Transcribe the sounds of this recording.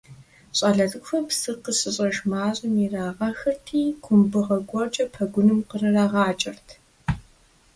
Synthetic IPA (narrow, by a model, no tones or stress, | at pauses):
ɕʼɐːɮɐɮɨkʷfɐpsɨqəɕʼɪɕʼɐʒmaːɕʼɪmiraːʁɐxɐtʰiːkʷʰʊmbɨʁɐɡʷɔrt͡ʃʼɐpʰɐɡʷʊnɨmqərɐraːʁɑːt͡ʃʼɪrtʰ